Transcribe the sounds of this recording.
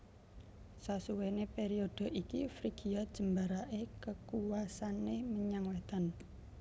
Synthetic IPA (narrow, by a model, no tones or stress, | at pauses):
sasuwenepeɾiod̪̥ə̤ʔikifɾiɡ̥iad̥ʒ̥ə̤mbaɾaʔekəkuwasaneməɲaŋwet̪an